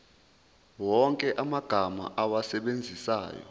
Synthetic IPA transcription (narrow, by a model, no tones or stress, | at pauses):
wɔŋkʼɛʔamaɡ̥ʱama̰ʔawasɛɓend͡zʱisa̰ːjɔ̰